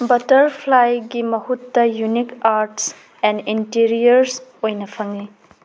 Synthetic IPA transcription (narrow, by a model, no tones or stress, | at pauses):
bɐtɐɾpʰlajɡimɐhutːɐjunikaɾʈs | ɛnintiɾiɐɾsojnɐpʰɐŋli